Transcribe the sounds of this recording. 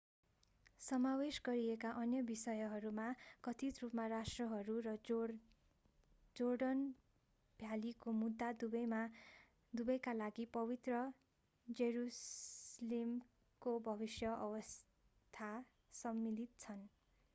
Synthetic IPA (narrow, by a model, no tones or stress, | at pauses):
sʌmawesɡʌɾiekaʔʌnjʌbisʌjʌɦʌɾumakʌt̪ʰit̪rupmarasʈrʌɦʌɾurʌ | d͡zoɽʌn | b̥ʱjalikomud̪ʱːad̪ubʌjma | d̪ubʌjkalaɡipʌβit̪rʌ | d͡zeɾuslem | kobʱʌbisjʌʔʌwʌs | t̪ʰa | sʌmːilit̪̚t͡sʰʌn